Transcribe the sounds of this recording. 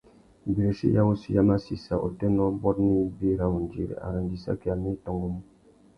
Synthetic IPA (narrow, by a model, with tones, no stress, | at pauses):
bi˨ɾe˨sḭ˦ja˦wo˦si˦ja˦ma˦si˨sa˨ʔo̰˨tɛ˦nɔ˦bɔ˦tni˦be˦ɾa˨wu˨n˨d͡ʒḭ˨ɾḛ˨a̰˨ɾã˨n˨di˨sa̰˦ki˨a˨mi˦tɔ̃˨ŋɡo˦mũ˦